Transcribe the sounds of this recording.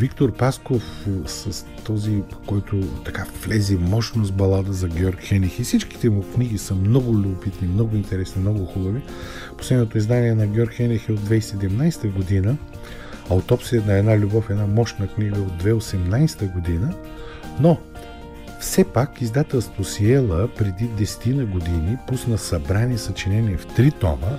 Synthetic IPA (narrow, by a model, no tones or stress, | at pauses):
vikt̪oɾpaskofsɐs | t̪ɔzikɔjt̪ʊt̪ɐkavlɛzimɔʃnosbɐlˠad̪əzɐɡʲjɔɾkxɛnixifsit͡ʃki̥t̪ɛmokniɡisəmnɔɡʊlʲubʊpit̪nimnɔɡʊint̪ɛɾɛsnimnɔɡʊxubəvi | poslɛd̪not̪oizd̪aniɛnɐɡʲɔɾɡxɛnixɛod̪vɛjsɛd̪ɛmnajst̪əɡod̪inə | ɐot̪ɔpsiənɐɛd̪nalʲubɔfɛd̪namɔʃnəkniɡəod̪̚ːvɛosɛmnajst̪əɡod̪inə | no | fsɛpakizd̪at̪ɛlˠst̪vosiɛlˠəpɾɛd̪id̪ɛsɛ̥t̪inəɡod̪inipusnəsɐbɾanisɐt͡ʃinɛnʲiɛft̪ɾit̪ɔ̰mə